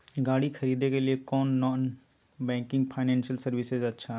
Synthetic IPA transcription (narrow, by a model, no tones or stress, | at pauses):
ɡaːɽikʰɐɾiːd̪ekeliekɔːnːɔːn | bɛ̃ːŋkɪ̃ŋɡpʰaːɪnɛ̃ːnʃəlsɐɾʋɪsezɐtːʃʰaɦ